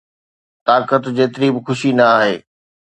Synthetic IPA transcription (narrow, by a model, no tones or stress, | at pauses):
t̪aːɾkət̪d͡ʑeːt̪ɪɾibɪxʊʃinɐaːɦeː